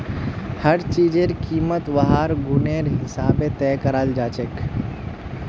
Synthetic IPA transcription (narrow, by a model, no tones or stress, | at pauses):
həɾt͡ʃiːd͡ʒeɾkiːmət̪ʋɐɦaːɾɡʊneːɾɦɪsaːbet̪ɛːkəɾald͡ʒaːt͡ʃek